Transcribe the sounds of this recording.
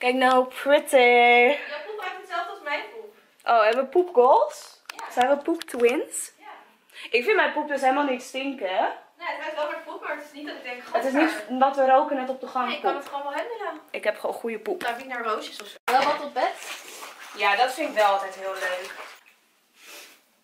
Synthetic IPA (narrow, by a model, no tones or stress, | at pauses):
kɛknowpʰɹɪti | pupɛfətsɛlˠfdəɔsmɛjnpup | ʔowɦɛbəʋəpupɡolˠs | sɛ̃nʋəpuptʰwɪns | ʔɪkfɪnmɛjpup̚døs̬ɦejləmalˠnɪtstɪŋkənetɛɛlˠməpupəɹtɪsnittɪɡ̚dɛŋkχətɪs̬nitʋɔtʋəɾowkənɛtɔp̚dəχɑŋknətχoːnmalˠɦɛbəmənaʔɪkɦɛpχonχujəpupinɛɹvowsəsɔfsoʋɛlˠʋɔtɔtbɛt | jadɔtfɪnɪkʋɛlˠɑlˠtɛjtɦɪːlˠløɥk